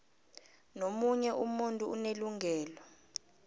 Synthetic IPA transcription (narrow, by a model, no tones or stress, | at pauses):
nomuɲɛʔumuntʼuːneluŋɡʱɛːlɔ